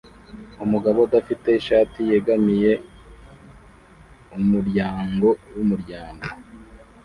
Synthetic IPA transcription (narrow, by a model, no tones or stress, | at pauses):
umuɡaβodafite̞iʃaːtijeɡamije̞ | umuɾɟaːŋɡo̞wumuɾɟaːŋɡo